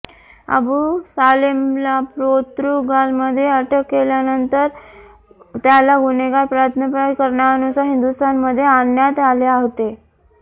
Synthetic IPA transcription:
ə̰busalimlapɾot̪ɾuɡalməd̪ʱːjeəʈʰəkːeljanənt̪əɾ | t̪jalaɡuneɡaɾpɾaət̪ʰnəpɾakəɾɳaʋanusaɦind̪ust̪ʰanməd̪ʱːjeanjat̪aleaɦt̪e

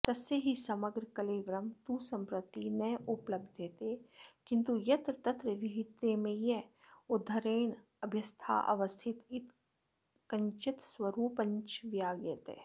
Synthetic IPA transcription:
t̪ɐsːeɦisɐməɡɾəkɐleːʋɾɐmt̪usɐ̃mpɾɐt̪inɐʊpləb̚d̪ʱet̪ekɪ̃nt̪ujɐt̪ɾət̪ɐt̪ɾəʋiɦɪt̪ːemẽjɛ | od̪ʱːɐɾeːɳ | ɐbʱjɐst̪ʰa̰ːʔɐ̰ʋɐst̪ʰɪt̪ɪt̪ | kɐɲt͡ʃɪt̪swɐɾuːpɐ̃ɲt͡ʃʋjaːɡjet̪ḛ

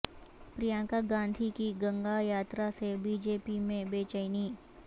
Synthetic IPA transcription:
pɾijãːkaɡãːnd̪ʱikiɡə̃ŋɡajaːt̪ɾasebiːd͡ʒeːpimẽbeːt͡ʃəɪniː

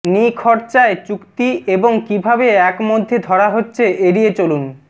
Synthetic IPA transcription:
nikʰɔɾt͡ɕaet͡ɕukt̪ieboŋkibʱabeɛkmod̪ʱːed̪ʱɔɽaɦotːɕʰeʔeɽiet͡ɕolun

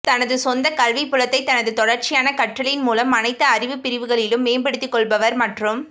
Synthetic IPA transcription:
t̪ɐnɐðɯsɔnd̪ɐkɐlʋipːɯlɐt̪ːɐɪt̪ɐnɐðɯt̪ɔɽɐɾt͡ʃɪjaːnɐkɐʈːɐlɐjɪnmuːlɐmɐnɐɪt̪ːɐːrɪʋɯpɪɾɪʋɯɣɐɭɪlɯmːeːmbɐɽɯt̪ːɪkːɔɭbɐʋɐɾmɐʈrɯm

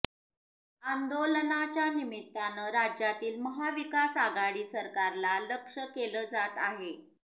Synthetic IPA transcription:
and̪olənat͡ɕjanimit̪ːanəɾad͡ʑjat̪iːlməɦaʋikasaɡaɽiːsəɾkaɾlaləkʂəkeləːd͡zat̪aɦe

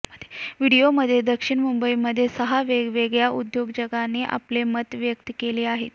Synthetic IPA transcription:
əd̪ʋiɽijoməd̪ʱːjed̪əkʂiɳmumbəiməd̪ʱːjesəɦaʋeɡʋeɡɭjaʔud̪joɡd͡ʑəɡaneːʔa̰plemət̪ʋjək̚t̪əkeleːaɦet̪

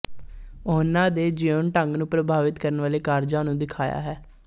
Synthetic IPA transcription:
ʊnãːd̪eːd͡ʒiːonʈəŋɡnũːpɾəbʱaːʋɪt̪kəɾənʋaːleːkaːɾd͡ʒãːnũːd̪ɪkʰaːja̰ːɦɛː

